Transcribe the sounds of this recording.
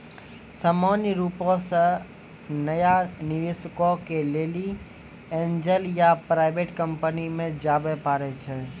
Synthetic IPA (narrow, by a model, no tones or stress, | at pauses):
saːmanjəɾupõsə̃ | nəjaniʋesəkokeleli | end͡ʒəljapɾaɪbeʈkəmpənimẽd͡ʒaːbɛpaɾɛt͡ʃʰə